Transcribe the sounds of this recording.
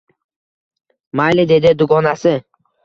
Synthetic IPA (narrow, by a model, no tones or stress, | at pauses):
majlɪd̪e̞d̪ɪd̪ʊɡɒnasɪ